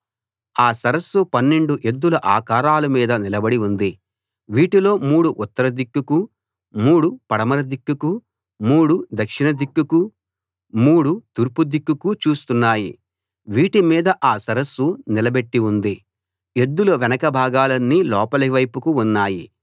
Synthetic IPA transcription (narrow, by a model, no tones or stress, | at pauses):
aːsɐɾɐsːupɐnːe̞ɳɖuʔe̞d̪ːuluʔaːkaːɾaːlɐmiːd̪ɐnilɐbɐɽiund̪i | ʋiːʈilo̞ːmuːɽuʔut̪ːɐɾɐd̪ikːuku | muːɽupɐɽɐmɐɾɐd̪ikːuku | muːɽud̪ɐkʂiɳɐd̪ikːuku | muːɽut̪uɾpud̪ikːukut͡ʃuːst̪unːaːjḭ | ʋiːʈimiːd̪ɐʔaːsɐɾɐsːunilɐbe̞ʈːiund̪i | e̞d̪ːulɐʋɛnɐkɐbʱaːɡaːlɐnːilɔːpɐliʋɐjpukuunːaːji